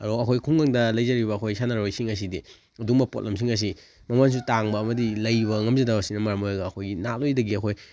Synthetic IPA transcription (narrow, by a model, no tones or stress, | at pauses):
ɐɾoɐkʰojikʰuŋaŋdɐlɐjzɐɾibɐːkʰojsanaɾojsiŋɐs̬idi | ɐduŋmɐpo̰t̚lɐmsiŋɐs̬i | mɐmans̬utaŋbɐːmɐdilɐjβɐŋɐmzidaɐsinɐmaɾɐmojɐɡɐːkʰojɡinalojdɐɡiɐkʰoj